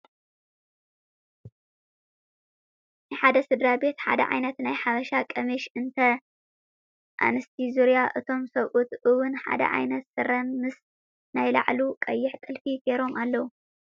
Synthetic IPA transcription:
nɨħad̪ɐsɨd̪ɾabe̞t̪ħa̰d̪ɐ̰ʕa̰jnɐt̪najħaβɐʃakʼɐmiʃɨnt̪ʰɐ | ʔa̰nɨst̪ʰizuɾjaʔɨt̪ʰo̞msɐwʔut̪ɨwʊnħa̰d̪ɐ̰ʕa̰jnɐt̪sɨrɐnmɨs | najla̰ʕlukʼɐjːɪħt̪ʼɨlfiɡeɾo̞mʔalːɐwu

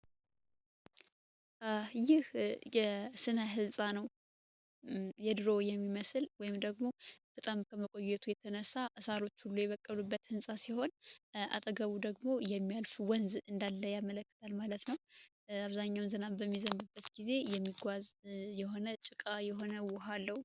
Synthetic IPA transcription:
ajɪhjɛsɨnaɦɨzsʼanəw | jɛd̪ɨɾo̞jɛmːiməsɨlwɔjɪmd̪əɡmo̞b̥ət̪ʼamkʰəməkʼo̞jːɛt̪ʰujɛt̪ʰənəsːaʔɨsaɾo̞t͡ʃːhulːujɛβəkʼːəlubːət̪ɨnsʼasiho̞nʔa̰t̪ʼəɡəβud̪əɡmo̞jɛmːijalfwənzɨnd̪alːəjamələkːə̥t̪ʰalmalət̪nəw | aβzaɲːawnzənabəmːizəmbɨbːət̪ɡize̞jɛmːiɡʷazjɛɦo̞nət͡ʃʼɨkʼajɛɦo̞nəwʊɦalːəwu

